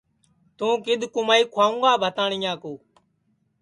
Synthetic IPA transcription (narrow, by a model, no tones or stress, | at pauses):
t̪ũːkɪd̪ʱkʊmaːiːkʰwaːũːɡaːbʱət̪aːɳĩːãːkoː